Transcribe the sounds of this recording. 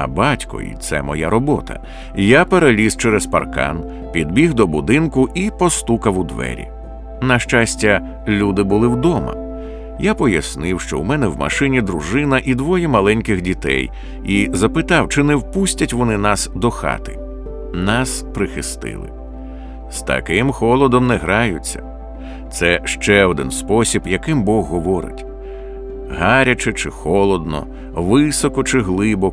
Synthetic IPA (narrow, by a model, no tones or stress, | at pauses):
ɐ̰bɑtʲkɔ̰ḭt̪sɛ̰mɔ̰jaɾɔbɔ̰t̪ʰɐ̰ | japeɾelʲiz̥t͡ʃɛɾɛzpɐ̰rkɑ̰n | pʲid̪bʲiɣd̪ɔbʊd̪ɪnkʊʔipɔst̪ukɐwʊd̪ʋɛ̰ɾʲḭ | nɐʃt͡ʃasʲtʲɐ | lʲud̪ɪbʊlˠɪwd̪ɔmɐ̰ | japɔjɐsnɪwʃt͡ʃɔ̰umɛnɛwmɐ̰ʃɪnʲid̪ɾʊʒɪnɐʔid̪ʋɔjɛmɐlˠɛnʲkɪxdʲit̪ɛ̰j | izɐpɪt̪ɑwt͡ʃɪnɛwpusʲtʲɐtʲʋɔnɪnɑsd̪ɔxɑ̰t̪ɪ̰ | nɑspɾɪxɪst̪ɪ̰lˠɪ̰ | st̪ɐ̰kɪmxɔlˠɔd̪ɔmnɛɦɾɑjʊt͡sʲːɐ̥̰ | t̪sɛʃt͡ʃɛɔd̪ɪ̰nspɔsʲibjɐkɪmbɔɣːɔʋɔɾɪ̰tʲ | ɦaɾʲɐt͡ʃɪt͡ʃɪxɔlˠɔd̪nɔ̰ | ʋɪsɔkɔt͡ʃɪɦlˠɪbɔ